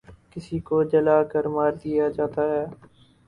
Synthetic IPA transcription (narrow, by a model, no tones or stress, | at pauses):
kɪsikod͡ʒɐlaːkəɾmaːɾd̪ijad͡ʒaːt̪aɦɛː